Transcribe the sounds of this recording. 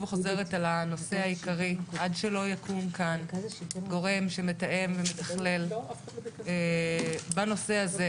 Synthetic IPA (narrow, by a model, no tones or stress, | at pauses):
veχoze̞ʁ̞etalano̞se̞haikaʁiʔadʃelo̞jakumkanɡo̞ʁe̞mʃemetaʔe̞mvemet̪aχle̞l | e | bano̞seaze